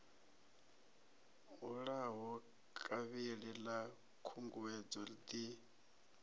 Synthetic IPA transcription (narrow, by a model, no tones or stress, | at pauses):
ɦuɺaɦɔ | kʼaβiɺɛla | kʰuŋɡuwɛd͡zɔld̪i